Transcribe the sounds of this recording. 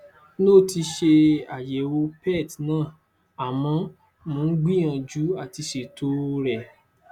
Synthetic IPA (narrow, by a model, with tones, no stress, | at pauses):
no˦˨ti˧ʃe˧a˨je˨wo˧pɛ˦˨tnãː˦˨ | a˨mɔ̃˧ | mõ˨˦n̩˦ɡ͡bi˦j̃ã˧d͡ʒu˨˦a˦˨ti˧ʃe˨tʰo˦ɾɛ˨